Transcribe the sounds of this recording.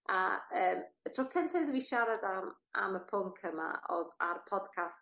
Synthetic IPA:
a̰əːmd̥ʰrʊkʰəntʰɪðwiʃaɾadam | a̰məpʰʊŋkʰəma̰ʔɔ̰ðarpʰɔd̥kʰast

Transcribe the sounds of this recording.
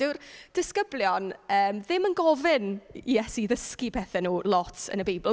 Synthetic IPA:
ɪwrd̥ɪskəbljɔnəːmðɪmənɡɔvɪnijɛsiðəskipʰɛθɛnuːlˠɔtʰə̰nəbejbɪlˠ

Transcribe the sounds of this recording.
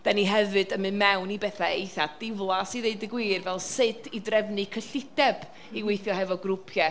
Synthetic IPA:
d̥aniɦɛvɨdəmɨnmɛwnibɛθaejθadd̥ɪvlˠasiðeɨdɪɡwiːrvɛlˠsɪd̥idrɛvnɨkʰəɬɪdɛb̥ | iwejθjɔhɛvɔɡrʊpʰjɛ

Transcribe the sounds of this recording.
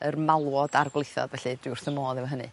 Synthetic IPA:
ərmalˠwɔdarɡlˠejθɔ̰dvɛɬɨd̥ɪwr̥θəmoːðˠivaɦənɨ̰

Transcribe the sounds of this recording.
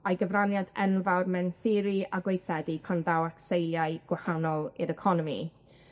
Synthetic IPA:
ajɡəvranjadɛnvawrmɛnθɪɾiaɡwejθɛdipʰanðawaksejaɨɡ̥wahanɔlˠiɾəkʰɔnɔmḭ

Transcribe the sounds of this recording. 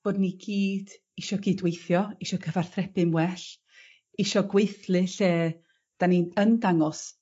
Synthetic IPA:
b̥oːdniɡiːd̥ | iʃɔɡiːdwejθjɔiʃɔkʰəvarθrɛpɨmwɛɬ | iʃɔɡweɨθlɨɬeː | d̥aninəndaŋɔs

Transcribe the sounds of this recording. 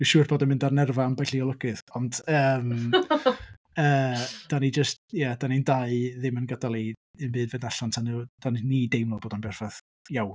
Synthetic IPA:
d̥ɪwʃuːrb̥oːdɛmɪ̃ndarnɛrvanbajɬiɔlˠəɡɨθɔndəːm | əːd̥anid͡ʒəstjad̥anindaɨðɪmənɡadalˠi | ɨnbɨːdvedaɬantʰanud̥aninidejmlˠɔboːdanbɛrfaθ | jawn

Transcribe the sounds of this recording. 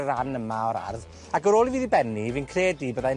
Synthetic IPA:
ɾanəmaɔɾa̰rð | aɡəɾoːlˠiviːðibɛniviːnkʰreːdibəða

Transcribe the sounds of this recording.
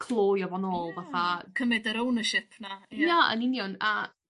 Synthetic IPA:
kʰlˠoːjɔvanoːlˠvaθakʰəmɛdəɾownəʃɪpʰnajaə̰nɪnjɔna̰

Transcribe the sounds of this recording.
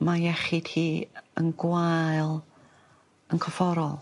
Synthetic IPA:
majɛχɪd̥hiːə̰nɡwaɨlˠ | ənkʰɔfɔɾɔlˠ

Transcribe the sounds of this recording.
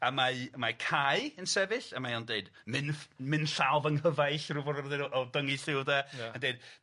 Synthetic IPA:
amamakʰajɨənsɛvɨɬamajawndeɨd | mɪnmɨnɬalˠvəŋhəvajɬruvɔdɔrðɪdɔʔɔdəŋiɬɪwdaandeɨd̥

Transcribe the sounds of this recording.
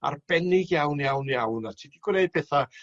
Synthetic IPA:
a̰rb̥ɛnɪɡjawnjawnjawnatʰiːdiɡwneɨd̚pʰɛθa

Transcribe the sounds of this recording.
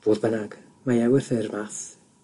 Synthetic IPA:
v̥oːðbənaɡ̥ | majɛwər̥θɪrmaθ

